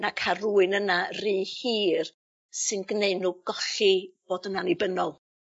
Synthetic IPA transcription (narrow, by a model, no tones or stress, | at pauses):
nakʰaruːɨnənariːhiːr | sɨnɡneɨnuɡɔɬib̥oːdənanibənɔlˠ